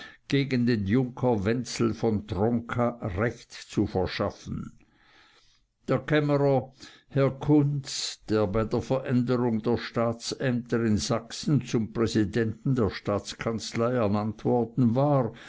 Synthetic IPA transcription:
ɡ̥eːɡəndeːnjʊŋkʰɐvɛnt͡sl̩fɔntʁɔŋkʰaʁɛçtt͡sufɛɐʃafn̩ | d̥eːɐkʰɛməʁɐ | hɛɐkʰʊnt͡sd̥eːɐbaɪdeːɐfɛɐʔɛndəʁʊŋdeːɐʃtaːt͡sɛmtəɪnzaksn̩t͡sʊmpʁ̥ɛzidɛntn̩deːɐʃtaːt͡skʰant͡slaɪɛɐnantv̥ɔɐd̥n̩vaːʁ

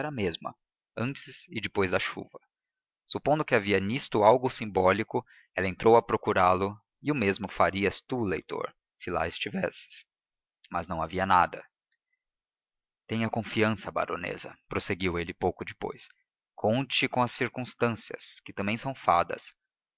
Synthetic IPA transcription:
ɛɾɐmezmɐ̰ | ɐ̃nt͡ʃɪsɪd͡ʒɪpojzd̪ɐʃṵvɐ | supõd̪ʊkɪaviɐnist̪ʊawɡʊsĩmbɔlikʊ | ɛlɐẽnt̪ɾʔowɐpɾokuɾalʊ | ɪʊmezmʊfaɾiɐst̪ulejt̪o̰ɾ | sɪla̰ɪst͡ʃivɛ̰sɪ̥s | mɐznɐ̃w̃aviɐnad̪ɐ̰ | t̪ẽj̃ɐkõfiɐ̃sɐba̰ɾo̰nḛzɐ̰pɾoseɡiwelɪpowkʊd͡ʒɪpo̰js | kʰõnt͡ʃɪkõɐsiɾkũst̪ɐ̃siɐ̰skɪt̪ɐ̃mbẽj̃sɐ̃w̃fad̪ɐ̰s

